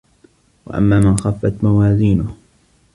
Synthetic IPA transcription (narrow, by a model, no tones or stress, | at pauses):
wa̰ʔa̰mːaːmɪnxafːat̪mawaːziːnʊh